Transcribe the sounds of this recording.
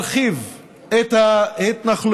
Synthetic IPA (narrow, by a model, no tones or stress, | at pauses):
lχiv | et̪haet̪naχl